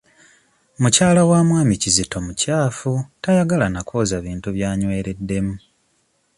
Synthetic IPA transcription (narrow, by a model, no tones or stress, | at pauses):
mucaːlawaːmwaːmicizito̞mucaːfutajaɡalanakoːzaβiːntuβjaːɲwe̞ːɾe̞dːe̞mu